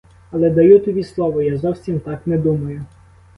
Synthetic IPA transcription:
ɐlˠɛd̪ɐjut̪ɔbʲislˠɔʋɔjazɔwsʲimt̪ɑknɛd̪umɐjʊ

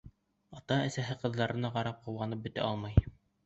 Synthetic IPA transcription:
ɑt̪ɑæ̆sæɦɘqɤ̆ðlˠɑɾʔɤ̆nɑʁɑɾɑp̚qɤ̆wɑnɤp̚bɵ̆t̪æ̰ɑlˠmɑj

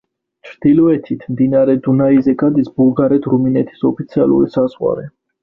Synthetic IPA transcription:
t͡ʃʰɾd̪̥ilɔɛt̪ʰit̪ʰmd̪inaɾɛd̪unaizɛɡad̪isbulˠɡaɾɛt̪ʰɾuminɛt̪ʰi̥sɔpʰit̪sʰia̰lˠṵɾisaz̥ʁwa̰ɾɛ

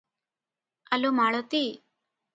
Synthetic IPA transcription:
ɐlumaːɭot̪i

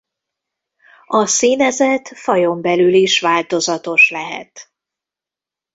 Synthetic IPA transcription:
ɒsiːnɛzɛt̪fɒjo̞mbɛlyliʃʋaːlt̪o̞zɒt̪o̞ʃlɛɦɛ̰t̪

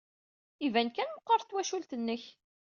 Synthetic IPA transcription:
ivænkænməqːəɾˤt̪ːwæʃult̪ənːəç

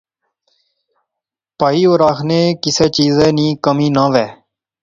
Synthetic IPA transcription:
paːiːoːɾaːkʰneːkɪseːt͡ʃiːzeːnĩːkəmiːnãːʋeː

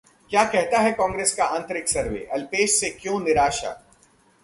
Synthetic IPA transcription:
kjaːkɛɦt̪aɦɛkɔ̃ːŋɡɾeːskaãːnt̪ɾɪksɐɾʋḛːʔɐlpeːʃsekjõːnɪɾaːʃa̰ː

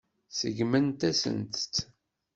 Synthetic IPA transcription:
sə̰ʝmənt̪æsə̰nt̪t͡s

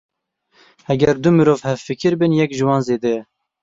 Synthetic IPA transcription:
hɛɡɛɾd̪umɨɾoːvhɛvfɨkʰɨɾbɨnjɛkʒɨwɑːnzeːd̪ɛ

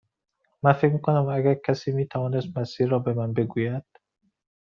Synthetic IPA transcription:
mænfekmiːkonæmæɡæɾkʰæsiːmiːt̪ʰævɒːnest̪mæsiːɾːɒːbemænbe̞ɡuːjæd̪̥

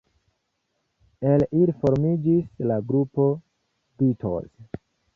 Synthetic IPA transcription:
elilfo̞ɾmid͡ʒislaɡɾupo̞ | bitʰo̰z

